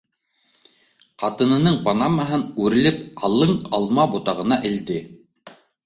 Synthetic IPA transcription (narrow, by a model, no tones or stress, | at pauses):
qɑt̪ɤ̆nɤ̆nɤɴpɑnɑmɑɦɤnʉɾɘ̆lɘp̚qɑlˠɤɴɑlˠmɑbut̪ɑʁɤ̆nɑʔɘ̆ld̪ɘ